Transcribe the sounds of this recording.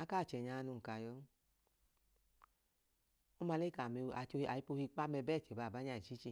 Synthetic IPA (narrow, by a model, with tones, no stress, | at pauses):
a˧˦ka˦˨t͡ʃɛ˨ɲa˧nu˧ŋ̩˨ka˨˧˨jɔ˧˦ | o˦ma˧le˦ka˨m˧a˨o˧i˧a˨i˦po˧hi˧k͡pa˦mɛ˧bɛ˦˨t͡ʃɛ˨ba˨ba˨˦ɲa˧˨i˨t͡ʃi˦t͡ʃi˧˨